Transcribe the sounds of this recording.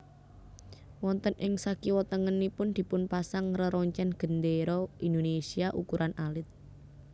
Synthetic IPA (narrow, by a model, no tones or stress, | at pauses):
wɔnt̪ənʔɪŋsakiwət̪əŋənːipʊnd̪̥i̤pʊnpasaŋrəɾɔɲt͡ʃɛnɡ̥ə̤nd̪eɾɔind̪onesiaʔukuɾʔanʔalɪt̪̚